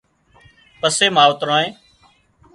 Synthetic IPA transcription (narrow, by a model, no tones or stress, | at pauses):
pəseːmaːʋt̪ɾãːẽː